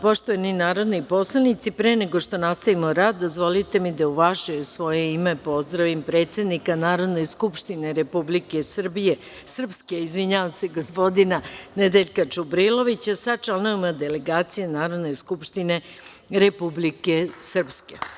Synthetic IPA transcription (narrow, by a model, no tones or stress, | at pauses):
poʃt̪oeninaːɾo̞d̪nipo̞slˠanit̪sipɾeːne̞ɡo̞ʂt̪o̞nast̪aʋimo̞ɾaːd̪̚ːozʋo̞lit̪e̞mid̪auʋaʃejusʋo̞jeime̞po̞zd̪ɾaʋimpɾe̞ːt̪se̞d̪nikanaːɾo̞d̪ne̞jskupʃt̪ine̞ɾepublike̞sr̩bije | sr̩pske̞izʋiɲaʋaseɡospo̞d̪inaned̪eʎkat͡ʃubɾilˠo̞ʋit͡ɕasat͡ʃalnoimad̪e̞le̞ɡaːt̪sijenaːɾo̞d̪ne̞jskupʃt̪ine̞ | ɾepublikesr̩pske